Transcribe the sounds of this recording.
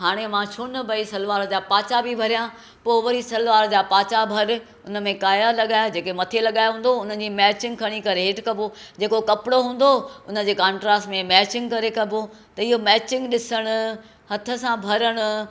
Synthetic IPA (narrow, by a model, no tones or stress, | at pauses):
ɦaːɽ̃emãʃʰʊnə̆bɐisɐlʋaːɾd͡ʑaːpaːt͡ɕabʱibʱɐɾijã | poːʋɐɾisɐlʋaːɾd͡ʑaːpaːt͡ɕabʱɐɾ | ʊnə̆mẽkaːjalɐɠaːjd͡ʑeːkemɐt̪ʰelɐɠaːjɦũːn̆d̪oʊn̤ən̆d͡ʑiːmɛːt͡ɕɪ̃ŋɡkʰɐɽ̃ikɐɾeɦeʈkɐbʱo | d͡ʑeːkokɐpɪɽoɦũːn̆d̪oʊnə̆d͡ʑeːkãːɳʈɾaːsmẽmɛːt͡ɕɪ̃ŋɡkɐɾekɐbʱo | t̪ɐɪɦomɛːt͡ɕɪ̃ŋɡɗɪsəɽ̃ʊ̆ | hɐt̪ʰə̆sãbʱɐɾəɽ̃ʊ̆